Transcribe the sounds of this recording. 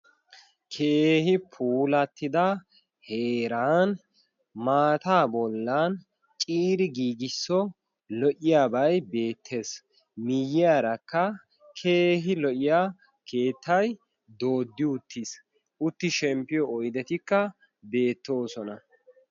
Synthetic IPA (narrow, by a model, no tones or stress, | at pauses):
kʰeːhɪpʰuːlɐt̪ːɪd̪ɐ | heːɾaːn | maːt̪aːbɔlːan | t͡ʃʼiːɾɪɡiːɡɪsːɔ | lɔʔɪjaːbɐjbe̞ːt̪ʰːe̞ːs | mɪjːɪjaːɾɐkːɐ | kʰe̞ːɦɪlɔʔɪjaː | ke̞ːt̪ːɐj | d̪o̞ːd̪ːɪʊt̪ʰːis | ʔʊt̪ːɪʃɛmpːɪjɔɔjd̪ɛt̪ɪkːɐ | be̞ːt̪ːo̞ːsɔnɐ